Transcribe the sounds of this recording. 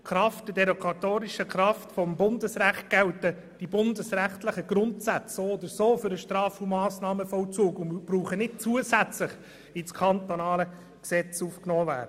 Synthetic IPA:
kɾɑft̚d̥ɪdɛɾokʰɑt̪oːɾiʃəkɾɑftfɔmbʊndəsɾæχt̚ɡ̥ɛwtə | d̥ibʊndəsræχtləχəɡɾʊntsæt͡ssoːɔd̪əɾsoːfʏɾəʃtrɑːfumɑːsnɑːməfɔlt͡suːkʊnmb̥ruːχənɪt̚t͡suəsæt͡slɪχ | ɪt͡skʰɑntonɑːlə | ksɛt͡suːfknɔːvæ̰ːɾə

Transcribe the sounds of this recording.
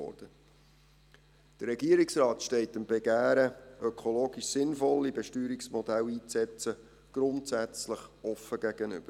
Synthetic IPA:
ɔ̰ːɾd̥ə | d̥ərːɛɡiːəɾiksɾɑːtʃtɛɪtəmb̥ɛɡæːɾəœkʰoloːɡiʃsɪnfɔlːibɛʃtyːɾiksmɔd̥æliːt͡st͡sɛt͡sə | ɡ̥ɾʊntsæt͡sləχɔfəɡ̥æɡ̥ənʏ̰b̥əɾ

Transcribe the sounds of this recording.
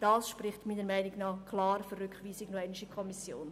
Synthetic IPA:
d̥ɑːsʃprɪχtmiːnəɾmæɪnɪɡnɑːχkʰlɑːɾfərʏkχʋiːsɪɡnoɛnɪʃəkʰɔmisjoːn

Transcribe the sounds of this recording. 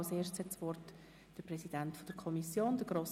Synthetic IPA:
ʊseːʃtshɛtsʋɔrt | d̥əɾprɛsid̥æntfod̥əɾkʰɔmisjoːnd̥əɡ̥ɾoːs

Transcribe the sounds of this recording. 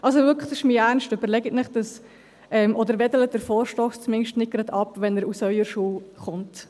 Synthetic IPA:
ʔɑlsovʏkə̥d̥sɪʃmiæɾnʃtʏbəɾlɛɡətnɪχd̥ɑs | ʔɛmʔɔd̪əɾʋɛdələdəɾfɔːɾʃtɔːst͡smɪnʃtnɪt̚ɡ̥ɾɑdɑpʋɛnəɾusœʏəɾʃuːχʊnt

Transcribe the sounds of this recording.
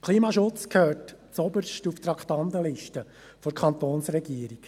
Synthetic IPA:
kʰliːmɑːʃʊt͡skʰøːɹtt͡sɔbəɾʃtuft̪ɾɑkχt̪ɑnd̪əlɪʃtə | fɔɾkʰɑnt̪oːnsɾɛɡiːəɾik

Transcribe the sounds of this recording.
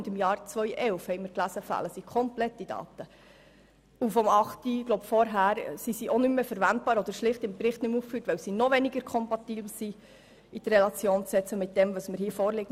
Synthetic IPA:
ndɪmjɑːɾt͡sʋœʏʔɛlfhɛɪjməɾklæsəfæ̰ːləsikʰɔmplɛtːid̥ɑ̰ːt̪ə | ufɔmɑχtiɡloʊbfɔɾɦæːɾsisiʔonʏmmefəɾvænt̚b̥ɑːɾɔd̪əɾʃlɪχtɪmpɾɪχtnʏmuːffyːtʋɛwsinɔʋɛniɡəɾkʰɔmpɑtiːbl̩si | idrɛlɑt͡sjoːnt͡ssɛt͡səmɪt̚d̥ɛmvɑsməɾhiːfɔːɾlɪɡ

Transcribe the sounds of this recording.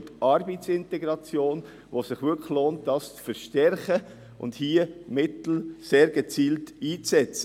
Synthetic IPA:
tʔɑɾbit͡sɪntɛɡɾɑt͡sjoːn | vosɪχʋʏkχloːnt̚d̥ɑːst͡sfəɾʃtɛɾχə | ʔʊ̰ndhiːəmɪtl̩seːɾɡ̥ət͡siːltiːt͡sɛt͡sə

